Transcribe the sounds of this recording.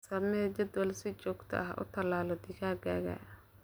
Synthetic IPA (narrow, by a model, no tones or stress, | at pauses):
sɐmɛd͡ʒɐd̪wɐlsɪt͡ʃɔːɡt̪ʰɐ̰ʔɐɦɐ̰ʔʊ̰t̪ʰɐlaːlɔd̪ɪkaːɡaːɣa̰